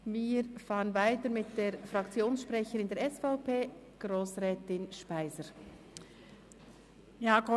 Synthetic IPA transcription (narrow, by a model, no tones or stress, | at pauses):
viːɾfɑːʁənvaɪtəɾmɪtd̥eːɾfɾɑkt͡sjoːnsʃpʁɛçəɾɪndeːɾɛsfaʊpʰeː | ɡ̥ɾoːsʁɛːtɪnʃpaɪzəɾ | jaːko